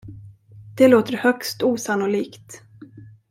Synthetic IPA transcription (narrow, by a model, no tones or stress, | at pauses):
d̪̥ɛloːt̪əɾhœkst̪uːsanːʊliːkt̪